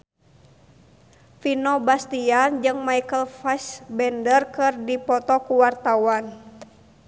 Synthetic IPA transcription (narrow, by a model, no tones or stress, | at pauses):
finɔbast̪iand͡ʒɨŋmaikəlfasbɛndərkɨrdipɔt̪ɔkuwart̪awan